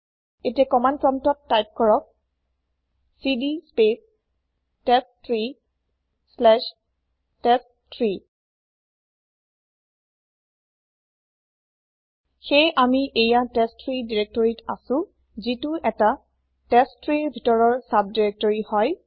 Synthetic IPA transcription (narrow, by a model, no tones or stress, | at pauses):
etiakɔmanpɹɔmtɔtːajp̚kɔɹɔk̚ | sidispes | tɛstʰɹi | slɛʃ | tɛs | tʰɹi | xejʔamiʔejatɛstʰɹidiɹek̚tɔɹita̰sʊ̃ | zituʔɛta | tɛstʰɹiɹbʱitɔɹɔɹsab̚diɹek̚tɔɹihɔj